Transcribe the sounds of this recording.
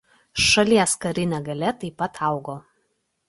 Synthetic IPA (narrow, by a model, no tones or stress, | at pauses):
ʃɐlʲiɛskɐɾʲɪnʲɛɡɐlʲɛt̪ɐɪpːɐt̪ʰɑˑʊɡoː